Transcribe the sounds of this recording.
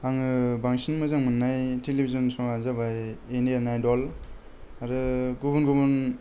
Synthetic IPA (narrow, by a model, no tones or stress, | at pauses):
aŋɯbaŋsinmɯzaŋmɯnːajtelebizɔnsɔŋazabajenianajdɔl | aɾɯɡuβunɡubun